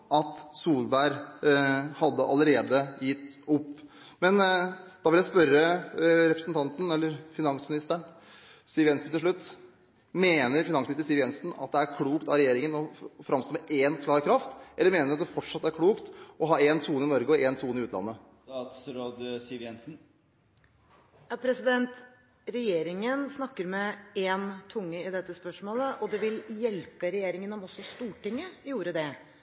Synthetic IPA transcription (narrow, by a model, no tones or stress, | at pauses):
ʔɑt̪suːlbæɪɾ | hɑd̪ːəʔɑləɾeːd̪əjɪt̪ːʊpː | mɛnd̪̥ɑʋɪljæɪspœɾːəɾɛpɾəsnt̪ʰɑnt̪n̩ɛlːəɾfɪnɑŋsmɪnɪst̪əɳ | siːʋjɛnsn̩t̪ɪlʂɭʉt̪ː | meːnəɾfɪnɑŋsmɪɪst̪əsiːʋjɛnsn̩ɑ̰t̪̚d̪ɛæɾkʰluːkt̪ɑɾɛjeːɾɪŋənɔfɾɑmst̪oːmɛʔeːnkʰlɑːɾkʰɾɑft̪ʔɛlːəɾmeːnəɾɑt̪̚d̪ɛfɔʈʂɑt̪ːæɾkʰɽuːkt̪ʔɔɦɑːeːnt̪ʰuːnɪnɔɾɡəɔʔeːnt̪ʰuːnɪʉːt̪lɑ̰nːə | t̪sɾoːd̪sɪʋjɛnsn̩ | jɑːpʰɾɛsɪd̪ɛnt̪ | ɾɛjeːɾɪŋənsnɑkːəɾmɛeːnt̪ʰʊŋːəɪd̪ɛt̪ːəspœʂmoːləʔɔd̪ɛʋɪljɛlpəɾɛjeːɾɪŋənɔmɔsːɔst̪uːʈɪŋːəjuːɾəd̪ɛ